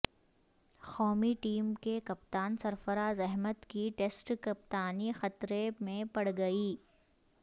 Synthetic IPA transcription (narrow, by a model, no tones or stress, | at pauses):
xɔːmiʈiːmkekɐpt̪aːnsɐɾfəɾaːzɛɦmət̪kiʈeːsʈkɐp̚t̪aːnixɐt̪ɾemẽpɐɽɡɐiː